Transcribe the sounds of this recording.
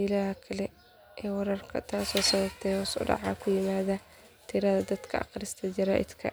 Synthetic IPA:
ɪlaːhɐkʰɐlɛ | ʔɛːwɑɾɐrkʰɐ̰t̪ʰaːsɔːsɐðɐbt̪ʰɛjɔːsʊ̰ɖɑ̰ʕɑːkʰʊjɪmaːðɐ | t̪ʰɪɾɐðɐd̪ɐd̪kʰɐ̰ʔɑ̰qɾɪst̪ʰɐd͡ʒɐɾaːʔɪ̰d̪kʰɐ̰

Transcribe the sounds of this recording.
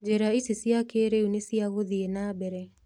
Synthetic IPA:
d͡ʒeɾaisisiakeɾeunesiaɣoðienabɛɾɛ

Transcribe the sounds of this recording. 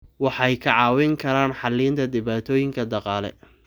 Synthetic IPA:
wɑħɑjkʰɐʕɑːwɪŋkʰɐɾaːnħɑlːiːnt̪ʰɐd̪ɪβaːt̪ʰɔːjɪŋkʰɐd̪ɑqɑːlɛ̰

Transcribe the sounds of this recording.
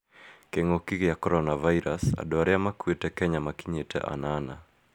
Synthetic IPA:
kɛŋɡɔkikijakɔɾɔnavaiɾasa̰ɗɔɾɛamakuetɛkɛɲamakiɲɛtɛ̰ʔa̰nana

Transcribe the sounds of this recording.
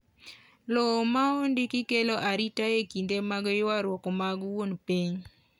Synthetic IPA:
lɔmaondɪkɪkeloʔaɾitajekindemaɡɔjwaɾwɔkɔmaɡwonpiɲ

